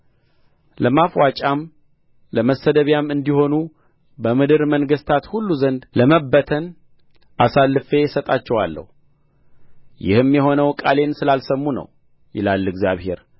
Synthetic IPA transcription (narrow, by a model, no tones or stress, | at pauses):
ləmafwat͡ʃʼam | ləməsəd̪əβjamɨnd̪iho̞nu | bəmɨd̪ɨɾməŋɡəst̪ʰat̪hulːuzənd̪ləməbːət̪ʰən | ʔasalːɨfe̞sət̪ʼat͡ʃːɛwalːə̰hu | jɪ̰hɨmjɛɦo̞nəwkʼale̞nsɨlalsəmːunə̰w | jɪ̰lalːɨɡzjaβhe̞ɾ